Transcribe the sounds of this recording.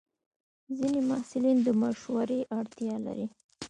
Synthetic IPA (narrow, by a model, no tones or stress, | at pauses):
zinemasɪlind̪əmaʃwaɾeʔaɽt̪jɑla̰ɾi